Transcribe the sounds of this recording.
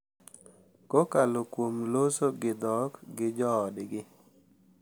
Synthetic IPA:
kokalokwomlosoɡɪd̪ɔkɡɪd͡ʒɔːdɡɪ

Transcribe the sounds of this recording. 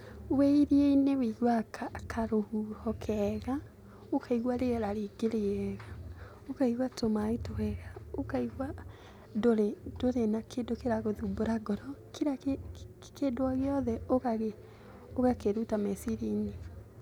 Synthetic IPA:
weiɾieinewiɣwakʰakʰaɾohuhɔkʰɛɣa | okʰaiɣwaɾeɛɾaɾeɡeɾeɛɣa | okaiɣwatomaitowɛɣaokaiɣwa | doɾed̥oɾenakʰedokeɾaɣoðuboɾaɡɔɾɔkeɾak | kedoaɣeɔðɛoɣaɣe | oɣakeɾutamɛsiɾine

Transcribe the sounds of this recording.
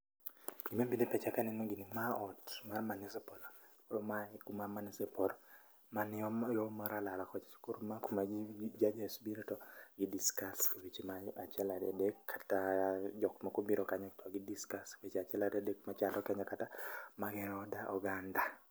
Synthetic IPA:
ɡ̥imabidepɛt͡ʃakanɛnɔɡinɪmaɔtmarmanɪsɛpɔlɔkoɾomakumamanɪsɛpɔlɔ | manɔjɔmaɾalalakɔt͡ʃkuɾumakumad͡ʒad͡ʒasbiɾitɔɡɪdiskaswit͡ʃmaat͡ʃɛladɛ̰dekːʰḁtad͡ʒɔkmakubiɾɔkaɲɔktʰɔɡɪdiskaswet͡ʃat͡ʃɛlaɾɛdekmat͡ʃandɔkɛɲɔkatamaɡɛɔdaʔɔɡanda

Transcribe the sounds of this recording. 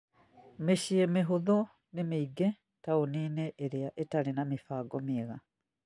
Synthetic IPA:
miʃiemiɦuðu | nimiːɡe | tauniːneʔːɾijaʔetalinamifaːɡomiɣa

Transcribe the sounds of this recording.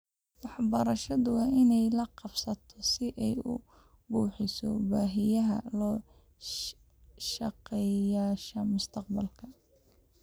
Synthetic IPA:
wɑħbɐɾɐʃɐðʊwɑɪnɛjlɐqɑbsɐt̪ʰɔsɪʔɛjʊ̰ | buːħɪsɔ̰baːɦɪjɐɦɐ̰lɔː | ʃɑqɛjaːʃɐmʊst̪ʰɐqbɐlkʰɐ

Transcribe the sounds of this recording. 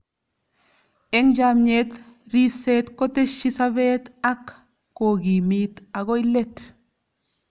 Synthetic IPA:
eŋɟamɲet̪ɾiset̪kot̪eʃisaβet̪akː | oɡimit̪aɡojlet̪

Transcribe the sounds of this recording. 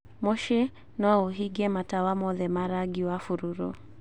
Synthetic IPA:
mɔʃɛ | nɔuɦiɡɛmatawamɔðɛmaɾaɡiwafuɾuɾṵ

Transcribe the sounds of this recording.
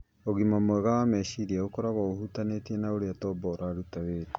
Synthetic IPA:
oɣimamwɛɣaamɛɕiɾiaokɔɾaβɔohutanetiɛnaoɾeatɔːbɔɾaːɾutaweɾa

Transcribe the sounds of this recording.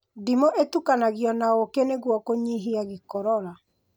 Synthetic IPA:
dimoʔetukanaɣiɔnaokeneɣwɔkoɲiɦiaɣikɔɾɔɾa

